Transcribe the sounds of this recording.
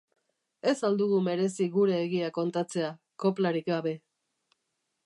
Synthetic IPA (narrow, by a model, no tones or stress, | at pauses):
e̞sald̪uɣ̞ume̞ɾe̞siɣuɾe̞ːɣ̞iako̞nt̪at͡se̞a | ko̞plaɾikɡaβe̞